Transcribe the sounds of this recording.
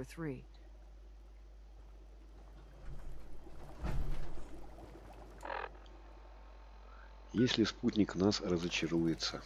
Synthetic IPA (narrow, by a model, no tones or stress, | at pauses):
θɹi | jesʲlʲɪsput̪ʲnʲɪknasrəzət͡ɕɪɾujɪt̪sə